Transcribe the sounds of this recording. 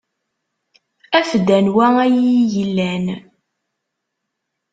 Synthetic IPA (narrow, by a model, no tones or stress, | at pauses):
æfd̪ænwææjijəlːæn